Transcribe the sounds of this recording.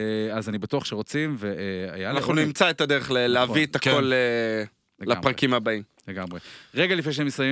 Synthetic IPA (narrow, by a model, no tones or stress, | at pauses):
azanibatuaχʃeʁot͡simveea̰jaanaaχnunimt͡saet̪adeʁeχleleavviet̪ako̞le | apʁakimhabaim | leɡamʁeʁeɡalifnejʃeemisaje